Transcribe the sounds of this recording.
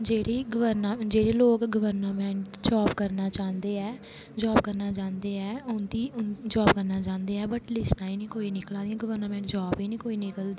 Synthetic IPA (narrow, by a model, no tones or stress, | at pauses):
d͡ʒeːɽiːɡəʋəɾnad͡ʒeːɽeːloːkɡəʋəɾnaːmɛ̃ːɳʈd͡ʒaːbkəɾnaːt͡ʃãːnd̪eːɛː | d͡ʒaːb̚kəɾnaːt͡ʃãːnd̪eːɛːʊnd̪iːʊnd͡ʒaːb̚kəɾnaːt͡ʃãːnd̪eːɛːbəʈlɪsnaːiːnĩːkoːiːnɪklãːd̪ĩjãːɡəʋəɾnamɛ̃ːɳʈd͡ʒaːbiːnĩːkoːiːnɪkəld̪iː